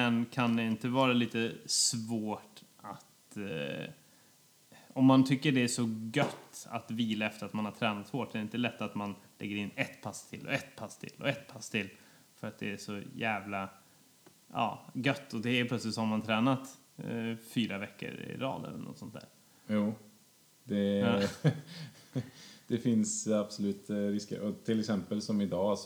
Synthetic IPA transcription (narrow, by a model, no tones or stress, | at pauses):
mɛnkʰand̪ɛɪnt̪əvɑːɾaliːt̪əsvoːʈ | at̪ | ɔmːant̪ʰʏkːəɖɛæʂɔɡœt̪ːa̰t̪viːlaɛft̪əɾat̪manhat̪ʰɾɛːnat̪shoːʈːɛɪnt̪əlɛt̪ːat̪manlɛ̰ɡːəɾɪnːɛt̪pʰast̪ʰɪ̰lɔ̰ɛt̪pʰast̪ʰɪ̰lːɔ̰ɛt̪pʰast̪ʰɪlː | fœɾat̪̚d̪ɛæʂɔjæːvla | ʔɑ̰ːɡœt̪ːɔd̪ɛəplœt̪sɪt̪sɔhamant̪ʰɾɛːnat̪ | fyːɾavɛkːə̰ɾɪ̰ɾɑ̰ːd̪ɛ̰lənʔɔ̰t̪sɔnt̪d̪æ̰ːɾ | juː | d̪ɛ | d̪̥ɛfɪnsab̥sɔlʉ̟ːt̪ɾɪskə̰ɾʔɔt̪ʰːɪlɛksɛmpəlsɔmɪd̪ɑːs